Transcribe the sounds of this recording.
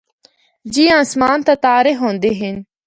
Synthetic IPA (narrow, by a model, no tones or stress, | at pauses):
d͡ʒiːãːsmaːnt̪aːt̪aːɾeɦõːnd̪eːɦɪn